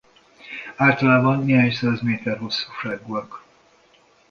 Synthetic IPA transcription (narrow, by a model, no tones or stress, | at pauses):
aːlt̪ɒlaːbɒnːeɦaːɲsaːzmeːt̪ɛrɦo̞sːu̥ːʃaːɡuɒk